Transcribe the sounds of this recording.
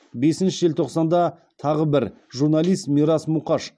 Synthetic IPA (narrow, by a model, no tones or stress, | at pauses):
be̞sɪnʃɪʒelt̪ʰo̞qsɑnd̪ɑ | t̪ʰɑʁəbɪɾ | ʒuɾnalˠijst̪miɾɑsmuqɑʃ